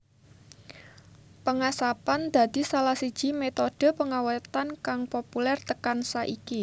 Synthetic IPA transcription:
pəŋasapand̪̥a̤d̪̥i̤salahsid̥ʒ̥i̤met̪oɖ̥ə̤pəŋawat̪ankaŋpopulɛrt̪əkansaʔiki

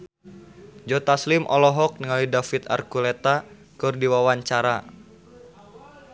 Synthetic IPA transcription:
d͡ʒɔt̪aslɪmʔɔlɔɦɔk̚nəŋalidafit̪a̰rkulɛt̪a | kɨrdiwawaɲt͡ʃaɾa

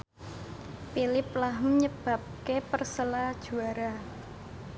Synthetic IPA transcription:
pilɪplaɦəmɲəb̥ä̤p̚kepərsəlad̥ʒ̥ṳaɾa

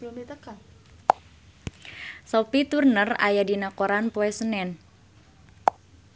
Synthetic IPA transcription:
it̪aka | sopit̪urnəra̰jadinakoɾanpoɛsənɛn

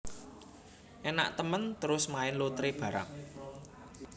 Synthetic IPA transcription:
ʔena̰ʔt̪əmənt̪əɾʊsmaɪnlot̪ɾeb̥ä̤ɾa̰ŋ

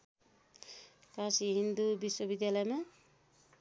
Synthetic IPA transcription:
kasiɦind̪ubisːobid̪jalɔjma

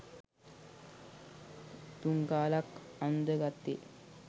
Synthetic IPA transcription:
d̪uŋɡaːlakand̪əɡat̪ːi

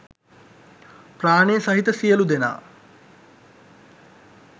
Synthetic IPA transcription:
praːɳesɐɦit̪əsijəlud̪ena̰ː

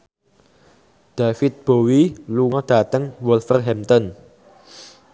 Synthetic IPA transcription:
d̪̥afɪt̪̚b̥owiluŋɔd̪̥a̤t̪əŋwulfərɦɛmt̪ɔn

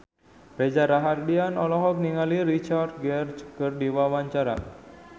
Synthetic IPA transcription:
ɾed͡ʒaɾaɦardianɔlɔɦɔk̚niŋaliɾit͡ʃard̪̚ɡɛrt͡ʃkərdiwawaɲt͡ʃaɾa̰

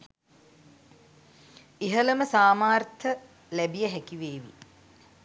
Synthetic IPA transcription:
iɦələməsaːmaːrt̪ʰə | læbijəɦækiʋeːʋḭ

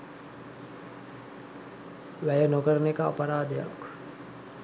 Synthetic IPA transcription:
ʋæjənokəɾənekəa̰pəɾaːd̪əja̰k

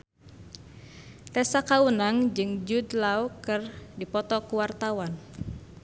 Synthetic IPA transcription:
t̪ɛsakawənaŋd͡ʒɨŋd͡ʒudlaukɨrdipɔt̪ɔkuwart̪awan

